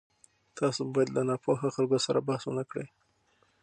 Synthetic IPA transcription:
t̪ɑsobɑjad̪lanɑpʰoɦaxalɡosaɾabahswʊnakɽə̰j

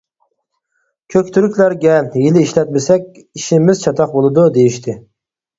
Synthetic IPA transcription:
kʲʰøkʲt̪ʰyɾykʲlæɾɡʲɛjɪlɪiʃlɛt̪mɪsɛkʲ | iʃɪmɪzt͡ʃʰɑt̪ʰɑq̚bolˠɨd̪ud̪ejiʃt̪ʰɪ

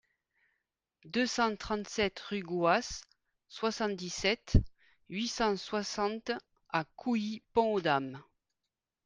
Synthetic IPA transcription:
d̪øsɑ̃t̪χɑ̃nt̪sɛt̪ʁyɡwasː | wasɑ̃nt̪̚d̪isɛt̪ | ɥisɑ̃swasɑ̃t̪ | akʰuipɔ̃od̪am

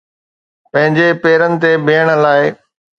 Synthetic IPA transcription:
pɐ̃ɦɪ̃ɲd͡ʑepeːɾənɪ̆t̪ebeːəɽ̃laːɪ

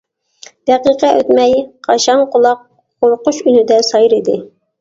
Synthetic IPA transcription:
d̪̥ɛqiqɛʔøt̪mɛjqʰɑʃɑŋqʰʊlˠɑq̚ːʰ | oɾqʊʃynɪd̪ɛsɑjɾid̪ɪ

